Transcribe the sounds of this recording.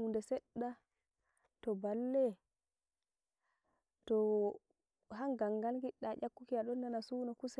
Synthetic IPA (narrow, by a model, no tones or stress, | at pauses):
undɛsɛɗːa | tɔbalːɛ | tɔ | ɦaŋɡaŋɡalɡiɗːaʔakːukiaɗɔnːanasuːnɔkusɛ